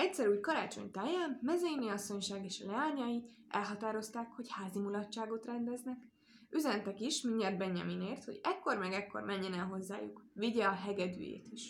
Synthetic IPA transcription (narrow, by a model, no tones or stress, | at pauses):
ɛc̚ʲsɛɾuːjkɒɾaːt͡ʃo̞̰ɲt̪aːjaːmːɛzɛjiniɒsːo̞ɲʃaːɡeːʃɒlɛaːɲɒji | ʔɛ̰lɦɒt̪aːɾo̞st̪aːkho̞chaːzimulɒːaːɡo̞t̪rɛnd̪ɛznɛk | yzɛnt̪ɛkiʃmiɲːɛrd̪̚bɛɲːɛ̰mineːrt̪ho̞̰ɟɛkːo̞rmɛɡɛkːo̞̰rmɛɲːɛnɛlɦo̞zːa̰ːjṵkʋiɟɛɒɦɛɡɛd̪y̰ːjḛːt̪iʃ